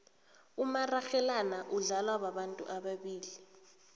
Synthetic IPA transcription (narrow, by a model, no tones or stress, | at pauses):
umaraxɛlanaʔuɮalwaɓaɓantʼṵʔaɓaɓiːli